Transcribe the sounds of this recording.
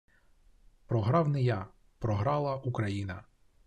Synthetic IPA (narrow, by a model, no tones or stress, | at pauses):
pɾɔɦɾɑwnɪja | pɾɔɦɾɑlˠɐʔukɾɐjinɐ